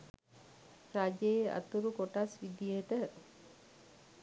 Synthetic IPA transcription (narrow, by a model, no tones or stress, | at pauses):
ɾad͡ʒeːa̰t̪uɾukoʈasʋid̪ijet̪ə